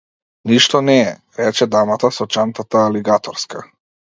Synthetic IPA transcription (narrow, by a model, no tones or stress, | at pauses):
niʃt̪ɔnɛɛ | ɾɛt͡ʃɛd̪amat̪asɔt͡ʃant̪at̪aːliɡat̪ɔɾska